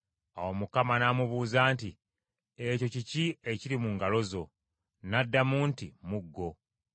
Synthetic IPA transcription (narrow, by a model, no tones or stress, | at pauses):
a̰wo̞mukamanamuβuːzaːnti | eco̞cicie̞ciɾimuŋɡalo̞zo̞ | nadːamuːntimuɡːo̞